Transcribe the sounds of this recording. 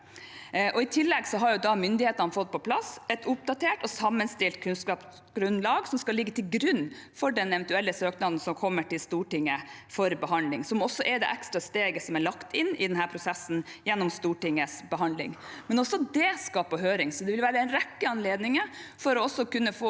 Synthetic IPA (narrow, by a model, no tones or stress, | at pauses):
ʔɔɪt̪ʰɪlːɛɡsɔɦɑɾjʊd̪ɑmʏnd̪ɪheːt̪əɑnfɔt̪̚ːpʰɔpʰlɑsɛt̪ʊp̚d̪ɑt̪ʰeːʈɔsɑmːənst̪ɪlt̪kʰʉnskɑːp | ɡ̥ɾʉnlɑːɡsɔmskɑlɪɡːət̪ʰɪlɡɾʉnːfɔɖɛnɛʋɛnt̪ʉɛlːəsøːknɑd̪n̩sɔmkʰɔmːəʈɪlst̪uːʈɪŋːəfɔɾbəɦɑnd̪lɪŋsɔmɔsːɔʔɛd̪ɛ̰ʔækst̪ɾɑst̪eːɡəsɔmæɭɑkt̪ʰɪnːɪ̰d̪ɛnɦæːɾpʰɾʊsɛsːn̩jɛnːɔmst̪uːʈɪŋːəsbəɦɑnd̪lɪ̰ŋmɛnɔsːɔd̪ɛskɑpɔɦøːɾɪŋsɔd̪ɛʋɪlʋæːɾəd̪ɛnɾɛkːəɑnleːd̪nɪŋəfɔɾɔɔsːɔkʉnːəfoː